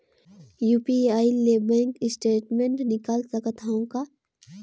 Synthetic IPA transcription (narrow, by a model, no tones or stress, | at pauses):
juːpiaːilebɛ̃ːŋkɪsʈeːʈmẽɳʈnɪkaːlsɐkət̪ʰaːõka